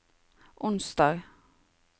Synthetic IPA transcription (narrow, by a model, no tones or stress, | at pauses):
ʔʊnsd̪ɑːɡ